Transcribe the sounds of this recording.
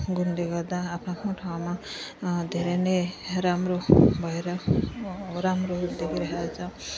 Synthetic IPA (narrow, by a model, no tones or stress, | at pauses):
ɡund̪eɡad̪aːpʰakʰɔ̃ʈʰawmad̪eɾeneɾamɾɔbʱaɾa | ɾamɾɔd̪ekʰiɾaɦad͡ʒa